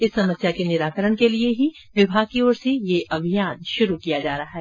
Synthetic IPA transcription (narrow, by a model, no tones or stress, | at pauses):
ɪsːɐməsjakenɪɾaːkəɾəɽ̃kelieɦi | ʋɪbʱaːɡ̚kioːɾsejeʔɐbʱijaːnʃʊɾukijad͡ʒaːɾɐɦaɦɛː